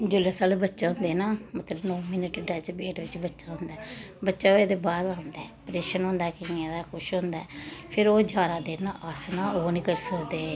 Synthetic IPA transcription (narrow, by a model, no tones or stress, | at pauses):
d͡ʒʊleːsaːlbətːʃaːɦʊ̃nd̪eːnaːmət̪ləbnɔ̃ːmɪnəʈɖaːd͡ʒbeːʈʋɪt͡ʃbətːʃaːɦʊ̃nd̪aːbətːʃaːoːeːd̪eːbaːɾãːnd̪aɛpɾeːʃənɦõːnd̪aːɛkɪãːd̪aːkʰʊʃɦõːnd̪aɛpʰɪɾoːd͡ʒaːɾaːd̪enaʔaːsnaːoːniːkəɾsəkd̪ẽː